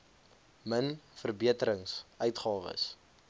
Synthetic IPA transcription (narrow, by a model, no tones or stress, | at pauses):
mənfərbiətəɾəŋsʔœɥtχɑːvə̰s